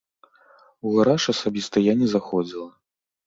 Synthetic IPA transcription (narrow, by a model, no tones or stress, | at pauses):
uɣaɾaʂɐsabʲist̪ɐjanʲɛzaxɔd͡zʲilˠɐ